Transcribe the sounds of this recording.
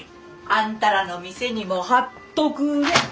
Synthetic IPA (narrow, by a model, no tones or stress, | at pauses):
ãnt̪aɾano̞mʲise̞ɲ̟imo̞hat̪ːokɯ̟d̪e